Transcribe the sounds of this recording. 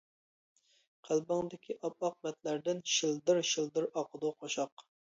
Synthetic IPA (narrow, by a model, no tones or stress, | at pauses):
qʰælˠbɑŋd̪ɪkʲʰiʔɑp̚ɑq̚mɛt̪læɾd̪ɪnʃilˠd̪ɨɾʃilˠd̪ɨɾɑqʰəd̪uqʰoʃɑq